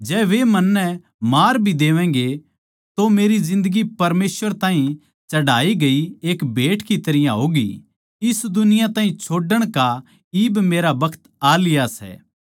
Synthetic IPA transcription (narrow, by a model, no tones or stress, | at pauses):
d͡ʒɛːʋemɐnːɛ | maːɾbʱid̪eːʋɛ̃ːɡe | t̪omeːɾizɪ̃nd̪əɡipɐɾmeːsʋəɾt̪ãːɦĩ | t͡ʃɐɽaːiɡɐieːkbʱeːʈkit̪ɐɾɪjãɦoːɡḭ | ɪsd̪ʊnɪjãt̪ãːɦĩt͡ʃʰoːɖəɽ̃ka | iːbmeːɾabɐkʰə̥t̪aːlɪjasɛ̰ː